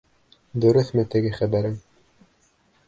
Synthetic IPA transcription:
d̪ɵ̆ɾɵθmɘt̪ɘ̆ɡɘχæbæɾɘm

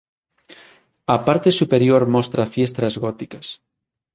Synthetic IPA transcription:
ɐpaɾt̪esupeɾjoɾmɔst̪ɾafjest̪ɾazɣɔt̪ikas

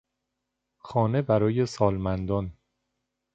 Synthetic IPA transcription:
xɒːne̞bæɾɒːje̞sɒːlmænd̪ɒn

